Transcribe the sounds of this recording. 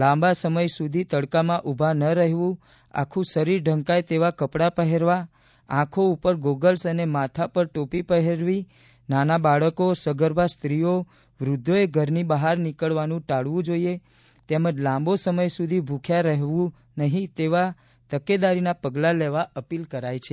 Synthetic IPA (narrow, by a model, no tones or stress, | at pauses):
lãmbasəməjsud̪ʱit̪əɽkamãʔubʱanəɾəɦʋũ | a̰kʰũsəɾiɾɖʱəŋkajt̪eʋakəpɽapəɦeɾʋa | ãkʰoupəɾɡoɡəlsənemat̪ʰapəɾʈopipəɦeɾʋi | nanabaɭəkosəɡəɾbʱast̪ɾio | ʋɾʊd̪ʱːoeɡʱəɾnibəɦaɾnikəɭʋanũʈaɽʋũd͡ʒoie | t̪eməd͡ʒlãmbosəməjsud̪ʱibʱukʰjaɾəɦʋũ | nəɦĩt̪eʋa | t̪əked̪aɾinapəɡlaleʋaʔəpilkəɾajt͡ʃʰe